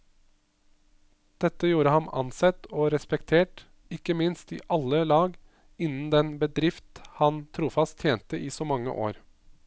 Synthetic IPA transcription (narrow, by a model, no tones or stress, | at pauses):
d̪̥ɛt̪ːəjuːɾəhɑnɑ̰nsɛt̪ːoːɾɛspɛkt̪ʰeːʈ | ɪkːəmɪnst̪iːʔɑlːəlɑːɡ | ɪnːn̩d̪ɛnbəd̪ɾɪft̪hɑnt̪ʰɾuːfɑst̪ʰːjeːnt̪əʔiːsɔːmɑŋːə̰ʔo̰ːɾ